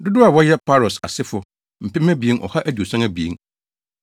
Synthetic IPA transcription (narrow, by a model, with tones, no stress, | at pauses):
dʊ˦dʊ˦a˨wɔ˦jɛ˦pʰa˦ɾɔ˨sa̰˨sɪ˦fʊ˨ | m̩˨pɪ̃˦mæ˦bi˨e˦ʔɔ̰˨ha˦ʔæ˦du˨o˨sã˦ŋæ˦bi˨ḛ˨˦ŋ